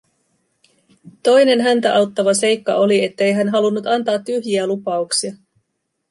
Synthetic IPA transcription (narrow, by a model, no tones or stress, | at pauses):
t̪o̞jne̞nɦænt̪æʔɑwt̪ːɑʋɑse̞jkːɑ̰ʔo̞lie̞t̪ːe̞jɦænɦɑlunːut̪ɑnt̪ɑːt̪ːyɦjiælupɑuksiɑ